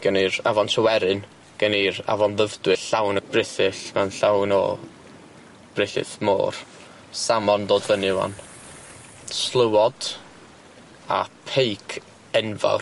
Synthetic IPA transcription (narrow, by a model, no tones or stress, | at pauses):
ɡ̥əniɾavɔntʰəwɛɾɨn | ɡ̥əniɾa̰vɔnðəvdwɨɬawnb̥rɪθɨɬmanɬawnɔ̰ | b̥rɪθɨ̰θmo̰ːr | samɔndoːdvənɪwa̰n | slˠəwɔd̥ | a̰pʰejkʰ | ɛnva̰wr